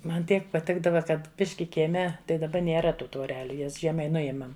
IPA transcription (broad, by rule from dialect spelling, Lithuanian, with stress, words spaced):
ˈmɐn ˈtʲiɛk pɐˈtʲɪɡdɐʋɐ ˈkɐt ˈbʲɪʃʲkʲɪ kʲiɛˈmʲɛ tɐɪ dɐˈbɐ nʲeːˈrɐ ˈtuː tʋoːˈrʲæːlʲʊ ˈjɛs ˈʒʲiɛmɐɪ ˈnʊjeːmɐm